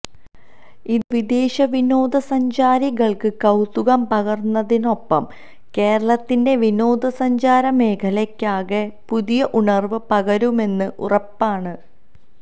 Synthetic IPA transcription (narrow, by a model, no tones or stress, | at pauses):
iðɨʋid̪eːɕɐʋino̞ːd̪ɐsɐɲd͡ʑaːɾiɣɐɭkɨkɐwt̪uɣɐmpɐɣɐrnːɐðino̞pːɐm | ke̞ːɾɐɭɐt̪ːinde̞ʋino̞ːd̪ɐsɐɲd͡ʑaːɾɐme̞ːkʰɐlekʲːaːɣepuðijɐʔuɳɐrʋɨpɐɣɐɾume̞nːɨʔurɐpːaːɳɨ